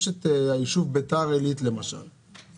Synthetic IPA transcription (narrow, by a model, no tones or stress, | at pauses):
ʃet̪aiʃuvbet̪aʁelit̪lemaʃa̰l